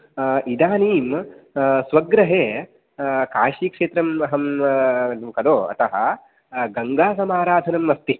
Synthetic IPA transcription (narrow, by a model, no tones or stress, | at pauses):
ʔid̪aːniːm | sʋɐɡɾɐɦeː | kaːʃiːkʂeːt̪ɾɐmɐɦɐm | kɐloːɐ̰t̪ɐɦɐ̆ | ɡɐŋɡaːsɐmaːɾaːd̪ʱɐnɐmːɐst̪i